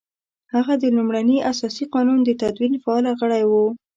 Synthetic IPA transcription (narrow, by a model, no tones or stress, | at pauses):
haɣad̪əlumɽaniʔasɑsiqɑnund̪ət̪ad̪winfaːlaɣəɽajwu